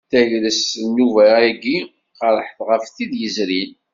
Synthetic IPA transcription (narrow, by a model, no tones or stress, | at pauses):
θæjɾəsnːuvæiɡi | qəɾˤəħθʁəfθid̪jəzɾil